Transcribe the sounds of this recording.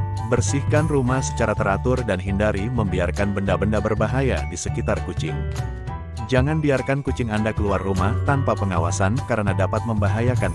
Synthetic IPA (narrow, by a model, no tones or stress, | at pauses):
bərsihkanrumahsə̥t͡ʃaɾat̪əɾat̪ʊrdanɦindaɾiməmbiarkanbəndabəndabərbaɦajadisəkit̪arkut͡ʃɪŋ | d͡ʒaŋanbiarkankut͡ʃɪŋandakəluarːumaht̪anpapəŋawasankaɾənadapat̪̚məmbaɦajakan